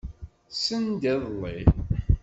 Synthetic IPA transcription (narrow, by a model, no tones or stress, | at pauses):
sənd̪ɛðˤlˤːḭ